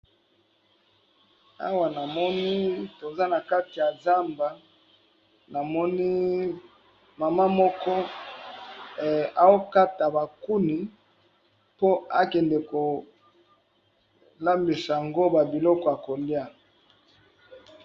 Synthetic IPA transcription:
a̰˦wa˨na˨mɔ˦ni˦to˨za˦na˨ka˦ti˨ja˨za˦mba˨ | na˨mɔ˦ni˦ | ma˨ma˦mɔ˦kɔ˦˨ | a˨o˦ka˦ta˨ba˨ku˦ni˨ | po˦a˦kɛ˨ndɛ˨ko˨ | la˦mbi˨sa˨a˨ŋɡo˦ba˨bi˨lɔ˦kɔ˨a˨ko˨li˦a˦

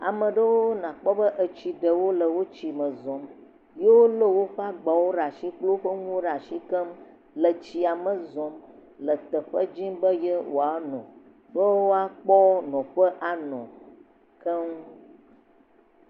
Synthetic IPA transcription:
a̰˨mə̃˨ɖə˦wo˦nã˨k͡pɔ˦bə˦ʔə˨t͡ɕi˨ɖə˨wo˦lə˨wo˦t͡ɕi˨mə̃˨zɔ̃˨m | je˦wo˦lə˦wo˦ɸa˦ɡ͡ba˨wo˦ɖa˨ʃi˦k͡plo˦ɸə˦ŋũ˦o˦ɖa˨ʃi˦kə˦m | lə˨t͡ɕi˨a˨mə̃˨zɔ̃˨mlə˨t̪ə˨ɸə˦d͡ʑi˦mbə˦je˦wʔo̰˨a˨nɔ̰̃˨ | ɖo˦wo˦a˦k͡pɔ˦nɔ̃˨ɸə˦ʔa˨nɔ̰̃˨ | kə˦ŋũ˦

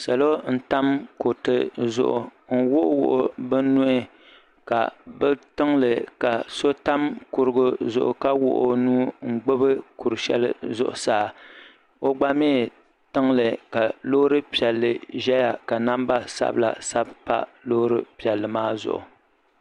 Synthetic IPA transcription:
sa˨lo˦n̩˦ta˦mko˨tɨ˨zʊ̰˨ʔʊ˨ŋ̩˦wʊ˦ʔwʊ̰˦˨ʔʊ˦bɨ˦n˦nʊ˦ɪ˦ | ka̰˨bɨ˦tɨ˦ŋlɨ˨ka˨so˦ta˦mkʊ˨ɾɨ˨ɡʊ˦zʊ̰˨ʔʊ̰˨ka˦wʊ̰˦ʔʊ˨nuː˦ŋ͡m̩˨ɡ͡bɨ˦bɨ˦ku˨ɾɨ˨ʃɛ̰˦lɨ̰˦zʊ̰˨ʔʊ˨saː˦˨ | o˦ɡ͡ba˦meː˦ | tɨ˦ŋlɨ˨ka˨lo˦hɾɨ˦pi˨ɛ˨lːɨ˨ʒɛ˦ja˨ka˨na˦mba˦sa̰˦bla̰˨sa˦bpa̰˦lo˦hɾɨ˦pi˨ɛ˨lːɨ˨maː˦zʊ̰˨ʔʊ̰˨

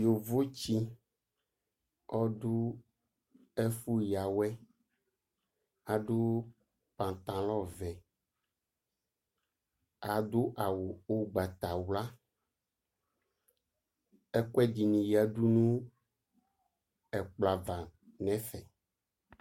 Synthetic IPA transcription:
jo˨vo˦t͡ɕi˦ | ɔ˦ɖu˦ | ɛ˦fu˦ja˨wɛ˦ | a˨ɖo˦ | pã˨t̪ã˨lɔ˦vɛ˨ | a˨d̪u˦ʔa˨wo˨o˦ɡ͡ba˨t̪a˨wla˦ | ɛ˦kɛ˦di˨nĩ˨ja˨ɖu˦nũ˦ | ɛ˨k͡pla˨va˨nɛ̃˦fɛ˨

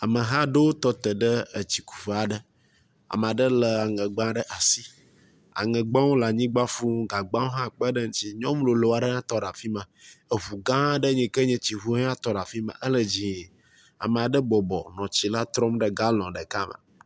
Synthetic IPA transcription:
a˨mə˨ɦã˦ɖə˦wo˦t̪ɔ˦t̪ə˨ɖə˦ə˨t͡ɕi˨ku̥˨fe˨a˨ɖə˦ | a̰˨m˨a˨ɖə˦lə˨a˨ŋɛ̃˨ɡ͡bã˦ɖə˦ʔa˨si˦ | a̰˨ŋə̃˨ɡ͡bã˦wo˦la˨ɲĩ˦ɡ͡ba˦fu˦ɡa˨ɡ͡bã˦wo˦ɦã˦k͡pə˦ɖə˦ŋ̩˦t͡ɕi˦ɲɔ̃˦m˦lo˨lo˨a˨ɖə˦ɲã˦t̪ɔ˦ɖa˨fi˦mã˨ə˨ɦu˨ɡã˦ɖə˦ɲɛ̃˨kə˦ɲɛ̃˦t͡ɕi˨ɦu˦ã˦t̪ɔ˦ɖa˨fi˦mã̰˨ʔə˦lə˨d͡ʑĩ˨ | a̰˨mə̃˨a˨ɖə˦bɔ˨bɔ̰˨nɔ̃˨t͡ɕi˨la˦t̪ɾɔ˦mɖə˦ɡa˦lɔ̃˨ɖə˨ka˦mə̰˨

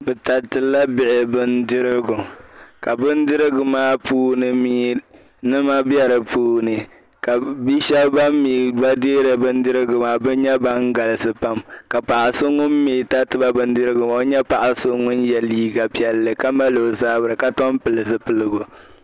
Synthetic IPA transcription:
bɨ˨ta˨tɨ˨la˦bɪ˨ʔɪ˨bɨ˦ndɨ˦ɾɪ˦ɡʊ˨ka˨bɨ˦n˦dɨ˦ɾɨ˦ɡʊ˨maː˦puː˦nɨ˨miː˦ | nɨ˦ma˦bɛ˦ɾɨ˨puː˦nɨ˨ | ka˨bi˦ʃɛ˦bba˦mːiː˨ɡ͡ba˦deː˦ɾɨ˨bɨ˦n˦dɨ˦ɾɨ˦ɡʊ˨maː˦bɨ˦ɲɛ˦ba˦ŋɡa˨lɨ˨sɨ˨pa˦mka˨pa˨ʔa˨sʊ˦ŋʊ˦mːiː˨ta˦tɨ˨ba˦bɨ˦n˦dɨ˦ɾɨ˦ɡʊ˨ma˨˦ɲɛ˦pa˨ʔa˨sʊ˦ŋʊ˦njɛ˨liː˦ɡa˨pi˦ɛ˨lːɨ˨ka˦ma˦lo˨zaː˦bɨ˨ɾɨ˨ka˦tɔ˦mpɨ˨lɨ˨sɨ˦pɨ˨lɨ˨ɡʊ˨

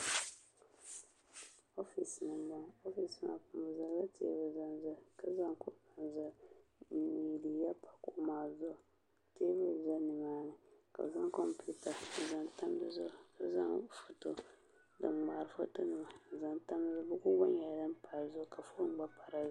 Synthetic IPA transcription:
o˦fi˨snɨ˨˦ba˦ŋo˦fi˨sna̰˨ku˨m˨za˨˦la˦tʰḛː˦vɨ˨za˦nzɨ˦˨ka˨za˦ŋku˦na˨nzɨ˦˨˦mi˨di˨ja˦pa˨kʊ˨˦maː˨zʊ˦˨ | teː˦vɨ˦˨za˦nɨ˨maː˦nɨ˨ka̰˨za˦ŋkɔ˦mpu˦ta˨za˨nta˦m˦dɨ˦zʊ˦˨a˨za˦ŋfo˨to˦ | dɨ˨ŋ͡ma˨ɾɨ˨fo̰˦to˦nɨ˨ma˨za˨nta˦m˦zɨ˦bʊ˦ɡʊ˦ba˦ɲɛ˨dɨ˦m˦pa˨zʊ˦˨ka˨fo˦ɡ͡ba˦pa˨ɾa˦

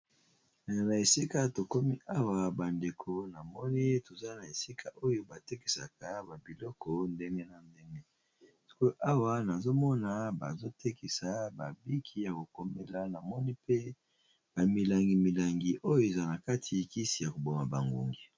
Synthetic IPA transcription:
na˨a˨na˨e˨si˦ka˦to˨ko˦mi˦ʔa˦wa˨ba˨nde˨kʰo˨na˨mɔ˦ni˦to˨za˦na˨e˨si˦kʰa˦ʔo˦jo˦ba˨te˦ki̥˨sa̰˨ka˨ba˨bi˨lɔ˦kɔ˨nde˦ŋɡe˦na˨nde˦ŋɡe˦ | si̥˦ko˦ʔa˦wa˦na˨zo˦mɔ˦na˨ba̰˨zo˦tʰe˦ki˨sa˨ba̰˨bi˦kʰi˦ja˨ko˨ko˨me˦la˦na˨mɔ˦ni˦pe˦ | b̥a˨mi˨la˨ŋɡi˨mi˨la˨ŋɡi˨ʔo˦jo˦e˨za˦na˨ka˦tʰi˨ki˦si˨ja˨ko˨bo˨ma˨ba̰˨ŋɡṵ˨ŋɡi˨

